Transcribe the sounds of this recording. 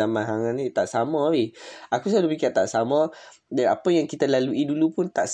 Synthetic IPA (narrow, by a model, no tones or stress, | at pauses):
amãnɦaŋanit̪aʔsamaihakusalupikart̪aʔsamɔd͡ʒanapəjaŋkit̪alaluidulupʊnt̪aʔs